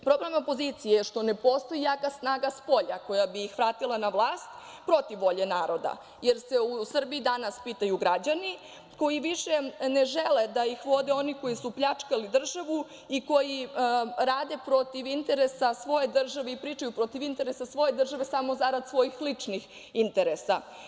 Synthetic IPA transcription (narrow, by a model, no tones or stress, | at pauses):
pɾo̞blemo̞po̞zit̪sijejʃt̪o̞ne̞po̞st̪o̞jijaːkasnaːɡaspo̞ʎako̞jabijixʋɾaːt̪ilˠanaʋlˠaːst̪ | pɾo̞t̪iʋːo̞ʎe̞naːɾo̞d̪a̰ | jeɾse̞usr̩biid̪anaspit̪ajuɡɾad͡ʑani | ko̞jiʋiʃe̞neʒeled̪aixʋo̞d̪eo̞niko̞jisupʎat͡ʂkalid̪r̩ʒaʋu | iko̞jiɾaːd̪e̞pɾo̞t̪iʋint̪e̞ɾesasʋo̞je̞d̪r̩ʒaʋeipɾiːt͡ʃajupɾo̞t̪iʋint̪e̞ɾesasʋo̞je̞d̪r̩ʒaʋesamo̞zaɾad̪sʋo̞jixlit͡ʂnix | int̪eɾesa